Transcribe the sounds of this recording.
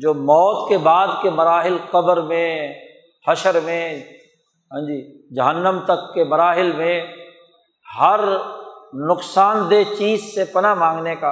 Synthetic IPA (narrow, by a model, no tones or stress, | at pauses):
d͡ʒoːmɔːt̪kebaːd̪kemɐɾaːɦɪlqɐbəɾmẽ | hɐʃəɾmẽ | ɦə̃d͡ʒiː | d͡ʒɐɦənːəmt̪ɐkːemɐɾaːɦɪlmẽ | ɦɐɾ | nʊqsaːnd̪et͡ʃiːzsepɐnamãːŋɡneka